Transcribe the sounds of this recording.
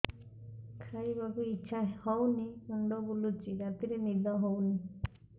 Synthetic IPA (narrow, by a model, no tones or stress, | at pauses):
kʰaibabuitːʃʰahɔwnimuɳɖɔbulut͡ʃiɾat̪iɾenid̪ʱɔɦowni